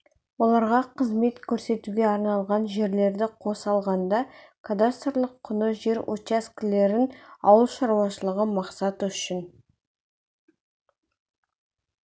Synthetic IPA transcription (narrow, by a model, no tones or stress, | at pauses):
wo̞lˠɑɾʁɑqʰəzme̞t̪kʲʰɵɾse̞t̪uɡʲe̞ɑɾnɑlˠʁɑnʒe̞ɾle̞ɾd̪ɪqʰo̞sɑlˠʁɑnd̪ɑkʰad̪ast̪rlˠəqʰːʊnəʒe̞ɾot͡ʃaskʲɪle̞ɾɪnɑwəlˠʃɑɾuwɑʃəlˠəʁəmɑqsɑt̪əʏʃɪn